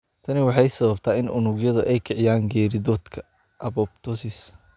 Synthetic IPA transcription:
t̪ʰɐnɪwɑħɑjsɐβɐbt̪ʰaːɪnʔʊnʊɡjɐðʊʔɛjkʰɪʕɪjaːŋɡɛːɾɪdɔːd̪kʰɐ̥ | ʔɐbɔb̚t̪ʰɔsɪs

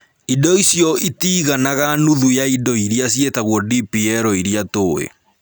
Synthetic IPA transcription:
idɔisjɔitiːɣanaɣanuðujaidɔiɾjas̬jetaɣwɔdipiɛɾɔiɾjatoːḛ

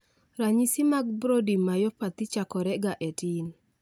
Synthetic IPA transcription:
ɾaɲisimaɡ̚bɾodimajɔpat̪it͡ʃakɔɾɛɡaʔetin

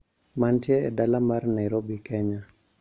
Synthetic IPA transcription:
mantjɛɛdalamarnɛɾobikɛɲa

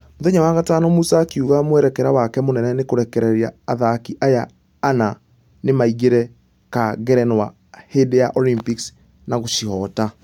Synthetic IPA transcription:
moðɛɲawaɣatanɔmusakiuɣamwɛɾɛkɛɾawakɛmonɛnɛnekoɾɛkɛɾɛɾiaːðakiʔajaː | na | nemaiɣeɾɛ | kaɣɛɾɛnwa | hedejaʔɔlimpiks | naɣoʃiɦɔta

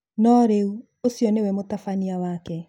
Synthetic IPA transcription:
nɔɾeu | osjɔnewɛmotafaniawakɛ

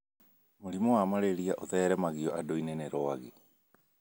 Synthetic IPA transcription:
moɾimɔwamaɾeɾiaʔoðɛɾɛmaɣiɔʔadoineneɾɔaɣe

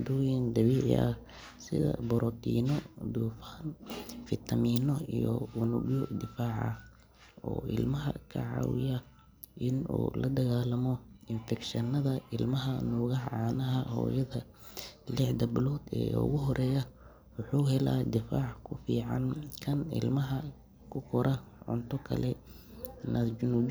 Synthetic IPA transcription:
d̪ujɪnd̪ɐβiːʕɪ̰ʔɐ̰ | sɪ̰ðɐ̰bɔɾɔt̪ʰḭːnɔd̪uːfanfɪt̪ʰɐmiːnɔijɔ̰ʊnʊɡjɔd̪ɪfaːʕɐ̰ | ɔ̰ːʔɪ̰lmɐɦɐ̰kʰɐ̰ʕɑ̰ːwɪ̰jɐ | ʔɪnṵːlɐd̪ɐɣaːlɐmɔɪnfɛkʃɐnːɐðɐɪlmɐɦɐnʊɣɐħʕaːnɐɦɐhɔ̰ːjɐðɐ | lɪħd̪ɐbɪlɔːd̪ɛ̰ːʊ̰ɣʊɦɔɾʔɛːjɐ | wʊħuːɦɛla̰ːd̪ɪfaːʕkʰʊfiːʕɑnkʰɐnɪ̰lmɐɦɐ | kʰʊkʰɔɾʔɐʕʊ̰nt̪ʰɔkʰɐ̰lɛ | nʔɐd͡ʒʊnuːd͡ʒ

